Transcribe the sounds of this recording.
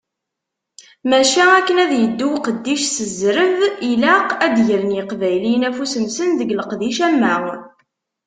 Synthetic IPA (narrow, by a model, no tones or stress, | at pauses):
mæʃæækːənæðjəd̪ːuwqəd̪ːiʃsəzɾəvilæqæd̪ʝələnjəqvæjlinæfusənsənðəɡləqðiʃæmːæʁ